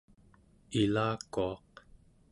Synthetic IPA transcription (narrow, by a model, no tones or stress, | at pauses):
ilaːkoɑq